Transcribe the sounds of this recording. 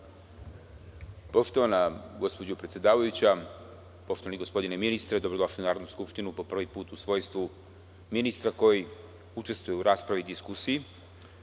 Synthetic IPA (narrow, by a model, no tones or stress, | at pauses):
po̞ʃt̪oʋanaɡo̞spo̞d͡ʑopɾet̪sjed̪aːʋajut͡ɕa | po̞ʃt̪o̞ʋaniɡo̞spo̞d̪ineminist̪ɾed̪obɾod̪o̞ʃliunaːɾod̪nuskupʃt̪inupo̞pr̩ʋipuːt̪usʋo̞ːjst̪ʋu | minist̪ɾako̞ji | ut͡ʃe̞st̪ʋujeuɾaːspɾaʋid̪iskusii